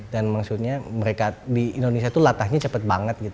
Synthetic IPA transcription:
danmaksut̪̚ɲaməɾekadiindonesiat̪ulat̪ahɲat͡ʃəpət̪̚baŋət̪̚ɡit̪

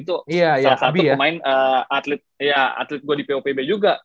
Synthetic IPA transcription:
it̪ojajasabiamainəat̪let̪̚jaa̰t̪let̪̚ɡoɽipeopebed͡ʒuɡa

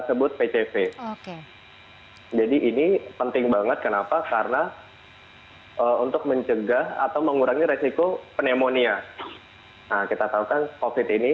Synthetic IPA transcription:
əsəbʊt̪̚pet͡ʃefeoke | d͡ʒadiʔinipənt̪ɪŋbaŋət̪̚kənapakarna | ʔəunt̪ʊk̚məɲt͡ʃəɡaha̰t̪awməŋuɾaŋiɾesikopənemonia | nakit̪at̪aukankofɪt̪ini

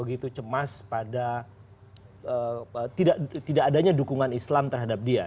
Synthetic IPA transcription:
əɡit̪ut͡ʃəmaspada | əət̪idaʔt̪idaʔːdaɲadukuŋanislamt̪ərɦadap̚dia

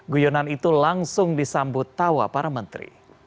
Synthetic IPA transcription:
ɡujonanit̪ulaŋsʊŋdisambʊt̪ːawa̰paɾamənt̪ɾḭ

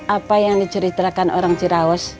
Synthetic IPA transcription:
apajaŋdit͡ʃəɾit̪ɾakanʔo̰ɾaŋt͡ʃiɾaɔs

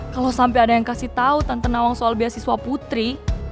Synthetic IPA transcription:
kalosampɛadajaŋkasiht̪aut̪ant̪anawaŋsoalbiasisuaput̪ɾi

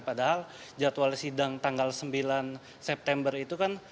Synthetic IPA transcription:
padaɦald͡ʒat̪walsidaŋt̪aŋɡalsəmbilan | sɛp̚t̪ɛmbərit̪ukan

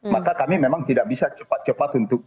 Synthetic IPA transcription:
makakamimemaŋt̪idak̚bisat͡ʃəpat̪̚t͡ʃəpat̪unt̪ʊk̚

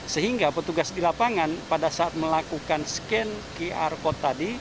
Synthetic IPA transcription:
səɦiŋɡapət̪uɡasdilapaŋanpadasaat̪̚məlakukanskɛnkeʔa̰rkot̪adi

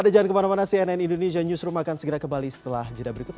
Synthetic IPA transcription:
adad͡ʒaŋankəmanamanasiɛnɛnindones̬iaɲusɾumakansəɡəɾakəmbalisə̥t̪əlahd͡ʒədabəɾikut̪̚

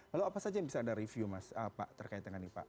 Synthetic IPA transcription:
laloapasad͡ʒambisaːdaɾifjumasapaʔt̪ərkaɪt̪ːəŋanipa̰ʔ

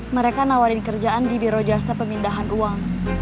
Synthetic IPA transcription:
məɾekanawalɪnkərd͡ʒaʔandibiɾod͡ʒasapəmindaɦanuaŋ

